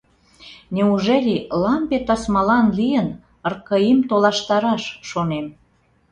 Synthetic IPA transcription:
neuʒelʲilɑmpet̪ɑsmɑlɑnlijən | ə̆rkəimt̪olɑʃt̪ɑɾɑʃʃonem

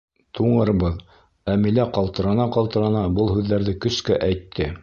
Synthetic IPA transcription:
t̪ʰuɴɤ̆ɾɤ̆bɤð | æmilæqɑlˠt̪ɤ̆ɾɑnɑqɑlˠt̪ɤ̆ɾɑnɑbɤlˠɦʉðːæɾðɘkɵ̆skæʔæjt̪ʰːɘ

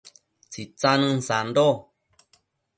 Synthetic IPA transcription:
t͡sit͡sanɨ̃n̩sando

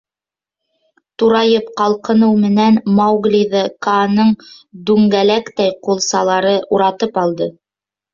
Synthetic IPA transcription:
t̪uɾɑjɤpqɑlˠqɤ̆nɤwmɘ̆nænmɑwɡlʲiðɤkɑnɤɴd̪ʉŋɡælækt̪æjqulˠsɑlˠɑɾɤʔuɾɑt̪ɤpɑlˠd̪ɤ

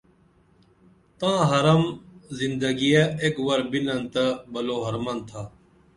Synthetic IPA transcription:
t̪ãːɦɐɾɐmzɪnd̪əɡijeekwɐɾbinənt̪ɐbɐloːɦɐɾmant̪ʰaː

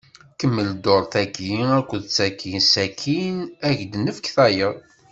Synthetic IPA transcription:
kəmːəld̪oɾˤθækiækʷːəðt͡sːækʰisækʰinæʝd̪nəfəkθæjəðˤ

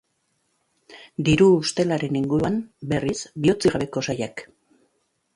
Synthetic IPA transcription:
d̪iɾuːst̪e̞laɾe̞niŋɡuɾuanbe̞risbio̞t͡siɣaβe̞ko̞sajak

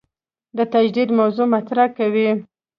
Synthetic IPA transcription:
d̪ət̪ad͡ʒd̪id̪mawzomat̪ɾakawi

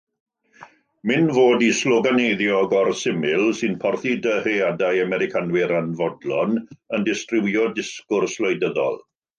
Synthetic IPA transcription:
mɪnvoːdislɔɡanejðjɔɡɔrsɪmɪlˠsɨnpʰɔrθidəheadajamɛɾɪkʰanwɪɾanvɔdlˠɔnəndɪstrɪwjɔdɪskʊrslɔjdəðɔ̰lˠ

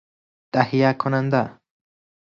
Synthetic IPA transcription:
t̪ahijakʰonand̪a

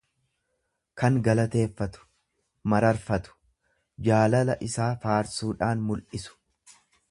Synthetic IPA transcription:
kɐŋɡɐlɐt̪e̞ːfːɐt̪ʊ̥ | mɐɾɐɾfɐt̪ʊ̥ | d͡ʒaːlɐlɐʔɪsaːfaːɾsuːᶑaːnmʊlʔɪsʊ̥

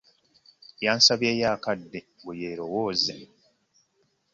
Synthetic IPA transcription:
jaːnsaβjeːjaːkadːe | bujeːɾo̞woːze

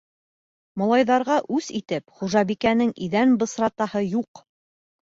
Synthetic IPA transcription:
mŏlˠɑjðɑɾʁɑʔʉsit̪ɘpχuʒɑβikænɘŋiðænbɤ̆sɾɑt̪ɑhɤjuq

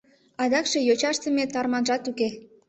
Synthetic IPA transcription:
ɑd̪ɑkʃe̽jot͡ɕɑʃt̪əmet̪ɑrmɑnʒɑt̪uke

